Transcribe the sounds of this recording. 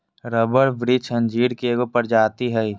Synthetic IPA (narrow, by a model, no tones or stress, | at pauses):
ɾəbəɽʋɾɪt͡ʃə̃nd͡ʒiːɾkeɡopəɾd͡ʒaːt̪iɦɛi